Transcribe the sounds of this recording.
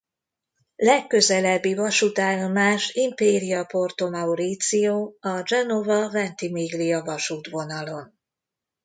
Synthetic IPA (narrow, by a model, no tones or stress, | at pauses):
lɛkːø̞zɛlɛbːivɒʃut̪aːlomaːʃimpeːɾijɒpo̞rt̪o̞mɒuɾit̪sijoːɒd͡ʒɛnovɒvɛnt̪imiɡlijɒvɒʃuːt̪ʋo̞nɒlo̞n